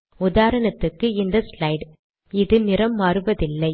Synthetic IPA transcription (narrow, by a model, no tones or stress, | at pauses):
ʊðaːɾɐɳɐt̪ːɯkːɯɪnd̪ɐslɐɪɖ | ɪðɯnɪɾɐmːaːɾɯʋɐðɪlːɐɪ